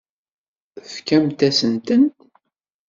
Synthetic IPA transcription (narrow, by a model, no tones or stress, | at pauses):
fkæmt̪æsənt̪ənt̪